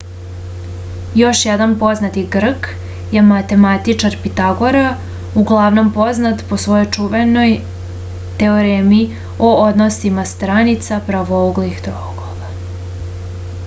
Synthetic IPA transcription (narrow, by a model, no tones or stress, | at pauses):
jo̞ʃjɛd̪anpo̞znat̪iɡr̩k | jemat̪e̞mat̪it͡ʂaɾpit̪aɡo̞ɾa | uɡlˠaʋno̞mpo̞znat̪po̞sʋo̞jo̞jt͡ʂuʋeno̞j | t̪e̞oɾemii | ood̪nosimast̪ɾanit̪sapɾaʋooɡlixd̪ɾoɡ̥oʋa